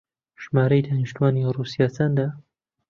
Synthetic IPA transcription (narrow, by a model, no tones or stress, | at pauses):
ʒ̥maːɾɐjd̪aːniʃt̪uwaːniruːsijaːsaːnd̪aː